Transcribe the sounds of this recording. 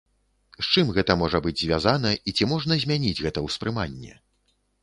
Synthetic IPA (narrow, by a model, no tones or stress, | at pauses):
t͡ʂɨmɣɛt̪ɐmɔʐɐbɨd͡zʲzʲvʲazanɐit͡sʲimɔʐnɐzʲmʲanʲid͡zʲɣɛt̪ɐwspɾɨmanʲːɛ̰